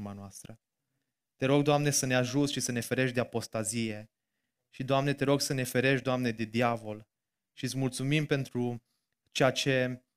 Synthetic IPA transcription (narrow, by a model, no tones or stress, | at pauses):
manoast̪ɾə | t̪e̞ɾo̞ɡ̚d̪oamne̞səneaʒut̪sʲʃisəne̞feɾe̞ʃʲd̪e̞apo̞st̪azije̞ | ʃid̪oamne̞t̪e̞ɾo̞ɡsəne̞fe̞ɾe̞ʃd̪oamne̞d̪e̞d̪iavo̞l | ʃit̪smult̪sumimpe̞nt̪ɾu | t͡ʃejat͡ʃe̞